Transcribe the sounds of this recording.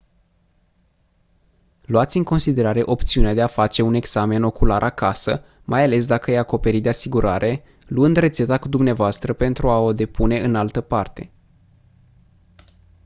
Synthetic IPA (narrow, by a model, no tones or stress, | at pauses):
luat̪sʲɨŋko̞nsid̪e̞ɾaɾe̞ʔo̞pt̪siunead̪eafat͡ʃe̞une̞ɡz̥ame̞no̞kulaɾʔakasə̰ | mʔajale̞s̬d̪akəjako̞pe̞ɾit̪̚d̪e̞asiɡuɾaɾʔe̞ | luɨnd̪re̞t̪se̞t̪akud̪umneavoast̪ɾəpe̞nt̪ɾuao̞d̪e̞pune̞ɨnalt̪əpart̪e̞